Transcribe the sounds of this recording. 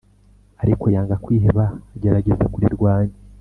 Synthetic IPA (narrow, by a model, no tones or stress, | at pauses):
aɾikojaːŋɡakwiːɦeβaːɟe̞ɾaɟe̞zekuɾiɾɡwaːɲe